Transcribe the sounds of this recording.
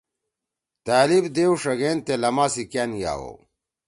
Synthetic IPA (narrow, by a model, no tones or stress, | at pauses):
t̪aːlibd̪eːwʂɐɣeːnt̪elɐmaːsikjaːnja̰ːwo̰